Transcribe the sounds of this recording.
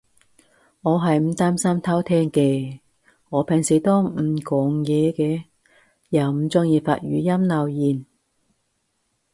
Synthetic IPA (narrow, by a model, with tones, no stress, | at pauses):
ŋɔː˨˧ɦɐ˨jm̩˨˩t̪aː˥msɐ˥mt̪ʰɐ˥wt̪ʰɛː˥ŋkɛː˧ | ŋɔː˨˧pʰɛ˨ŋsi˨t̪ɔː˥m̩˨˩kɔː˨˧ŋjɛː˨˧kɛː˧ | jɐ˨˩wm̩˨˧t͡sʊ˥ŋjiː˧fa̰ː˧t̚jɥyː˨˧jɐ˥mnɐ˧wjiː˨n